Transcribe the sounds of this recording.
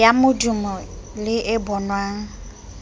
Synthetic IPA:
jamʊdʊmɔlɪʔɛbɔnwaːŋ̩

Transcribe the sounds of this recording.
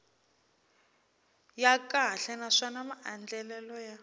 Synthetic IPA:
jakʼaɬɛnaʂanamaʔand͡ɮɛlɛlɔja

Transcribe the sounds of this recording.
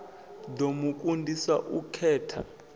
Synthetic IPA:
domuk̬ʼundʱiswa̰ʔukʰɛːtʰa̰

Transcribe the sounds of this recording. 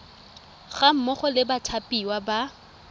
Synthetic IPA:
ɣam̩mɔχʊlɪbatʰapʼiwaba

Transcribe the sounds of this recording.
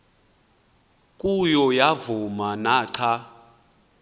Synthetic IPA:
kʼujɔjavumanaːǀʰa

